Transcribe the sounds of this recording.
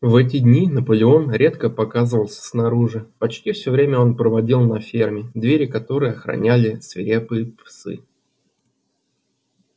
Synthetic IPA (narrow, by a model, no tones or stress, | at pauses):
vɛt̬ʲɪdʲnʲinəpəlʲɪo̞nɾʲet̪kəpɐkazəvəlˠsʲə̥snɐɾuʐɨpɐt͡ɕtʲifsʲɵvɾʲemʲəo̞npɾəvɐdʲilˠnɐfʲermʲɪd̪vʲeɾʲɪkɐt̪o̞ɾɨjəɐxɾɐ̰nʲælʲɪsvʲɪ̰ɾʲepɨjɪpsɨ̰